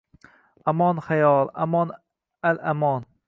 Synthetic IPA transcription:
amɒnχajɒlˠa̰mɒn | alʔamɒn

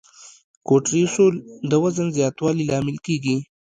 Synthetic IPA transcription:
koʈɾisuld̪əwazənzjɑːt̪wɑlilɑːmɪlkeɡi

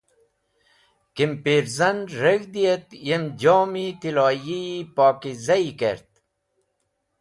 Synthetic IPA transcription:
kimpiɾzɐnɾeɡd̪ijet̪jemd͡ʑoːmit̪ilɑːjipɑːkizɐikḛɾt̪̚

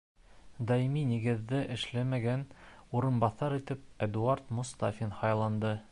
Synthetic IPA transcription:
d̪ɑjiminiɡɘ̆ðːɘʔɘ̆ʃlæmæɡænuɾɤ̆nbɑθɑɾit̪ɘp̚æd̪uɑɾt̪mŭst̪afʲinhɑjlˠɑnd̪ɤ

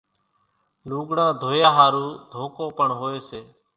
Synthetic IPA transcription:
luːɡɳãːd̪ʱoːjaːɦaːɾuːd̪ʱoːkoːpəɳɦoːeːseː

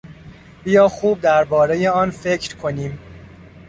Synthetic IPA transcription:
bijɒːxuːb̚d̪æɾbɒːɾe̞jeɒːnfecʰɾkʰo̞niːm

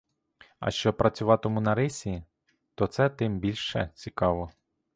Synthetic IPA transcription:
ɐ̰ʃt͡ʃɔpɾɐt͡sʲʊʋɑt̪ɔmunɐɾɪsʲi | t̪ɔt̪sɛt̪ɪmbʲilʲʃɛ̰t͡sʲikɑʋɔ

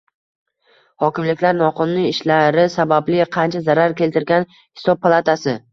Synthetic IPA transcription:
hɒkʲɪmlɪkʲlaɾnɒqʰɨnniːʃlaɾɪsabablɪqʰɑnt͡ʃʰazaɾaɾkʲʰe̞lt̪ʰɪɾɡʲan | hɪ̥sɒb̚pʰːalˠat̪ʰasɪ

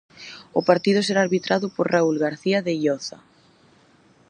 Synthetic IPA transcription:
ʊpaɾt̪ið̞ʊseɾaːɾβit̪ɾaðʊpoɾraulɣaɾθiaðeiʎɔθa̰

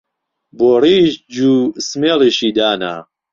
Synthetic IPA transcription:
boːriːʃd͡ʒuːsmeːliʃiːd̪aːna̰

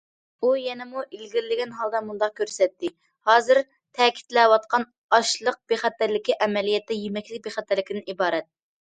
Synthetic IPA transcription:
ujɛnɪmuʔilɡʲiɾɪlɪɡʲɛnɦɑlˠd̪ɑmund̪ɑq̚kʲʰøɾsɛt̪ːɪ | hɑːzɨɾ | t̪ʰɛkʲʰi̥t̪lɛwɑt̪qʰɑn | ɑʃlˠəq̚b̥eχɛt̪ːæɾlɪkʲiʔɛmɛlijɛt̪ːɛjemɛkʲlɪk̚ʲbeχɛt̪ːæɾlɪkʲɪd̪ɪnibɑːɾɛt̪̚

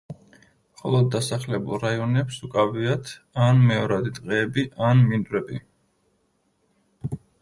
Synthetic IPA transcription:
mχɔlˠɔd̪ːasaχlɛbṵlˠɾaiɔnɛpsukʼaviat̪ʰanmɛɔɾad̪it̪ʼqʼɛːbiʔanmind̪ʼɾɛbḭ

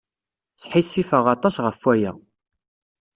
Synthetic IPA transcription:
t͡sħisːifəʁɑt̪ˤɑsʁəfːwæjæ̰

